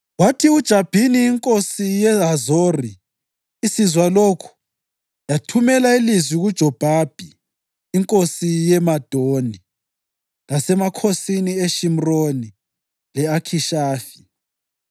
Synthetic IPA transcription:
watʰiud̥ʒ̥ʱab̥ʱiniːŋkʼosijɛɦazoriː | sizwaloːkʰu̥ | jatʰumɛlailizwiɣud̥ʒ̥ʱɔb̥ʱab̥ʱiː | ŋkʼosijɛmad̥ʱoni | lasɛmakʰosinieʃim̩roni | lɛakʰiʃaːfi̥

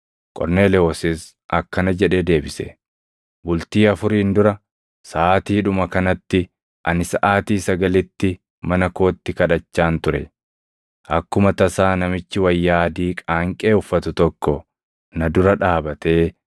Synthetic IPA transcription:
kʼɔ̰ɾne̞ːlɛɔsɪs | ʔɐkːɐnɐd͡ʒɛᶑeːd̪e̞ːbɪsɛ̰ | bʊlt̪iːɐfʊɾiːnd̪ʊɾɐ | sɐʔaːt̪iːᶑʊmɐkɐnɐt̪ːɪ | ʔɐ̰nɪsɐʔaːt̪iːsɐɡɐlɪt̪ːɪ | mɐnɐko̞ːt̪ːɪkɐᶑɐt͡ʃːaːnt̪ʊɾɛ̰ | ʔɐkːʊmɐt̪ɐsaːnɐmɪt͡ʃːɪwɐjːaːd̪iːkʼaːŋkʼeːʊfːɐt̪ʊt̪ɔkːɔ | nɐd̪ʊɾɐᶑaːbɐt̪e̞ː

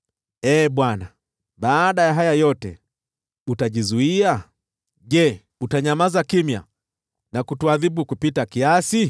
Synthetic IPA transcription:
ɛːɓwana | ɓaːɗajaɦajajɔtɛ̰ | utaʄizuia | ʄɛ | utaɲamazakimja̰ | nakutuaðiɓukupitakiasi

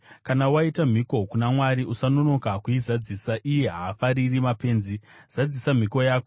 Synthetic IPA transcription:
kanawaitam̤iko̞kunamwaɾiʔusanono̞kakuizad͡zisaʔije̞ɦaːfaɾirimape̞ːnziz̥ad͡zisam̤iko̞jaːko

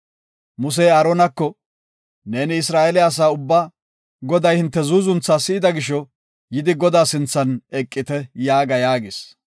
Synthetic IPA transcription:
mʊs̬ɛjɐɾonɐkːɔ | ne̞ːnɪɪsɾaːʔɛlɪjɐs̬aːʊbːaː | ɡɔd̪ɐjhɪnt̪ːɛzuːzʊnt͡sːaːsɪːd̪ɐɡɪʃɔ | jɪd̪ɪɡɔd̪aːsɪnt͡sːɐnɛkʼːɪt̪ɛjaːɡɐjaːɡɪs

